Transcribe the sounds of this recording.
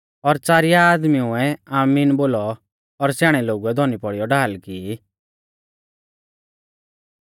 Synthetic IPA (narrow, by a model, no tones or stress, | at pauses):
ɔɾt͡saːɾijaːd̪miʊ̃ɛaːmiːnboːlɔː | ɾsaːɽ̃ɛloːɡuɛd̪ʱɔnipɔɽijɔɖaːlkiː